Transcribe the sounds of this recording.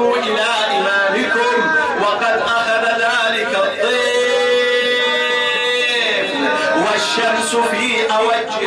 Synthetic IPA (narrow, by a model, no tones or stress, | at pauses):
uːʔɪlaːʔɪmaːmɪkʊm | wɐqɐd̪ʔaxaðaðaːlɪkat̪ˤːɨ | wɐʃːɐmsʊfiːʔawɐd͡ʒːɪ